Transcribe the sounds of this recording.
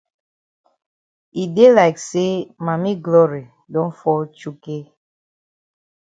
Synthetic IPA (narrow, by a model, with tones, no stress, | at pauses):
i˨de˦la˨ɪkse˦ma˨mi˦ɡlɔ˦ɹi˨ | dɔ̃˦nfɔ˦lt͡ʃu˦ke˦